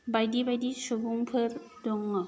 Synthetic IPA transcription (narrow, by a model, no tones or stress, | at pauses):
bajdibajdisobuŋpʰəɾdoŋːə